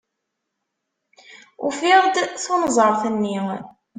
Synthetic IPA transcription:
ʊ̰fɪʁd̪θonzˤəɾˤθənːi

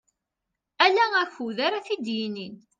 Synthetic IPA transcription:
ælææçuðaɾaθid̪jinin

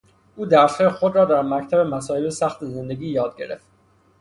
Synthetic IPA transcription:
ʔuːd̪æɾshexod̪ɾɒːd̪æɾmæct̪ʰæbemæsɒːebsæxt̪ʰeze̞nd̪e̞ɡiːjɒːd̪̚ɟe̞̰ɾe̞̰ft̪

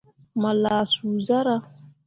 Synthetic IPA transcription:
malasuzaɾa

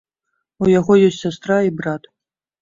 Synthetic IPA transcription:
ujaɣɔjɔsʲtʲsʲast̪raibrat̪

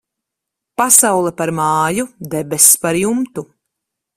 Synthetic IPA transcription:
pasawlˠɛpaɾmaːjud̪ɛbɛspaɾjumt̪u

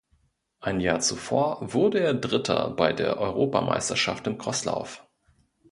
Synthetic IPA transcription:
ʔaɪnjaːt͡sufo̰ːɐvʊɐdəeːɐdʁɪtʰɐ̰baɪdeːɐʔɔʏʁoːpamʔa̰ɪstɐʃaftɪnɡʁ̥ɔsla̰ʊf

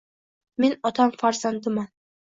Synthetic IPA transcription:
me̞nɒt̪ʰamfaɾzand̪ɪman

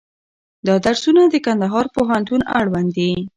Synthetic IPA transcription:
d̪ɑd̪aɾsunad̪əkand̪aɦɑɾpoɦant̪una̰ɽwand̪i

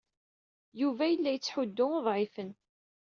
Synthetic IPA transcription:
juvæjəlːæjət͡sːħʊd̪ːʊoðˤʕɪfən

